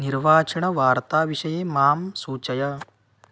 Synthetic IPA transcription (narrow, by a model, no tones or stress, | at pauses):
niɾʋaːt͡ʃɐɳɐʋaːɾt̪aːʋiʂɐjemaːmsuːt͡ʃɐjɐ